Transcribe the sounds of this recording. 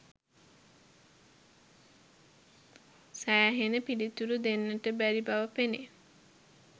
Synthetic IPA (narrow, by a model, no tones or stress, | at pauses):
sæjaɦenəpilit̪uɾud̪enːəʈəbæɾibaʋəpene